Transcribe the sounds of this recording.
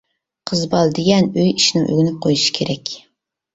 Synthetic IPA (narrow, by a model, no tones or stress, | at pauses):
qʰəzbɑlˠd̪eɡʲɛnøjiʃnɪŋʔø̰ɡʲɪnyp̚qʰojuʃi̥kʲʰeɾɛkʲ